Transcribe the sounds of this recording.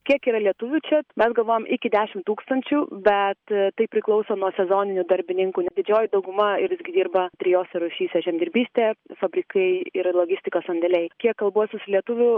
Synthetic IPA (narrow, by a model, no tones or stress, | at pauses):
kʲiɛkiːɾɐlʲiɛt̪ʊʋʲʊt͡ʃʲɛmʲɛsɡɐlˠʋoːjɛmʔɪkʲɪd̪ʲæːʃʲɪmt̪uːkst̪ɐnʲt͡ʃʲuːbʲɛt̪t̪ɐɪpʲɾʲɪklˠɐʊsoːnuɔsʲɛzoːnʲɪnʲʊd̪ɐɾʲbʲɪnʲɪŋkuːnʲɛd̪ʲɪd͡ʒʲoːjɪd̪ɐʊɡʊmɐɪɾʋɪzɡʲɪd̪ʲiːrbɐt̪ʲɾʲɪjoːsʲɛɾʊʃʲiːsʲɛʒʲɛmʲd̪ʲɪɾʲbʲiːsʲt̪ʲeːfɐbʲɾʲikɐɪɪɾlˠoɡʲɪsʲt̪ʲɪkoːsɐnʲd̪ʲɛlʲɛɪkʲiɛkːɐlˠbuɔsʲɪsʊlʲiɛt̪ʊʋʲʊ